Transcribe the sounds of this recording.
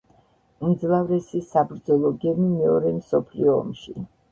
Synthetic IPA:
md̪zlˠavɾɛsisabɾd̪zɔlˠɔɡɛmimɛɔɾɛmsɔpʰliɔ̰ːmʃi

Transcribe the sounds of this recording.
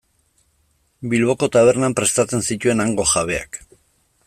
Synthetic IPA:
bilβo̞ko̞t̪aβ̞e̞ɾnampɾe̞st̪at͡se̞nsit̪ue̞naŋɡo̞ʝaβ̞e̞a̰k

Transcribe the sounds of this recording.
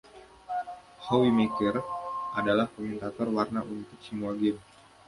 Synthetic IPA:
howimekərʔadalahkomɛnt̪at̪ɔrwarnaʔunt̪ʊk̚simuaɡɪn

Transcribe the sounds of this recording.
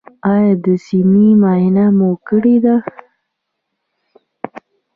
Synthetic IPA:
ɑjɑd̪əsimimaɪnamokəɽid̪a

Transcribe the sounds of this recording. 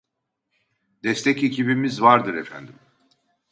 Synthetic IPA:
d̪ɛst̪ʰɛcecʰibimizvaɾd̪ɯɾɛfæ̰nd̪im

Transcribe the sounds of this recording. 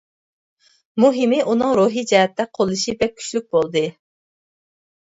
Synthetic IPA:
muɦimɪʔunɨŋɾuɦid͡ʒɛɦɛt̪ʰːɛqʰolˠɨʃibɛk̚kʲʰy̥t͡ʃlyk̚ʲbolˠd̪ɨ

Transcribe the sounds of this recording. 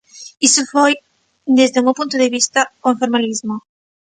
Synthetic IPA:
isʊfoj | d̪ezd̪eumewpũnt̪ʊðeβist̪ɐoẽɱfoɾmalizmʊ

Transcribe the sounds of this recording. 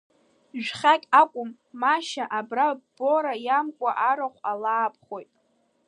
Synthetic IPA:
ʒᶣχʲakʲʼakʷʼʊmː | aʃaʔabraboɾajamkʷʼaʔaɾaχʷalaːpʰχo̞jtʼ

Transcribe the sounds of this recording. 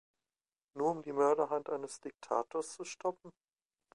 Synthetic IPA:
nuːɐʊmdiːmœɐɾɐɦantʔaɪnəsd̥ɪk̚tʰa̰ːtoːɐst͡suʃtʰɔp̚m̩

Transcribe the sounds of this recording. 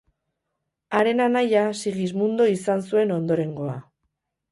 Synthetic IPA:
aɾe̞nanajasiɣizmund̪o̞isansue̞no̞nd̪o̞ɾe̞ŋɡo̞a̰

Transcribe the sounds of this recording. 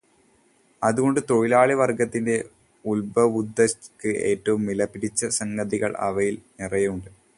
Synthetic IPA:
ɐðuɣo̞ɳɖɨt̪o̞ɻilaːɭiʋɐrɡɐt̪ːinde̞ | ulbɐʋud̪ːɐkːɨe̞ːtːɐʋumːilɐpːiɽit͡ɕːɐsɐŋɡɐðiɣɐɭɐ̰ʋɐjilnirɐjɐuɳɖɨ

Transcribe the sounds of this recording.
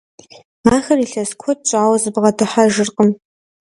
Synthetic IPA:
aːxɐriːɬɐskʷʰɔt̚t͡ʃʼaːwɐzɨbʁɐdʰɨħaʒɨrqʼəm

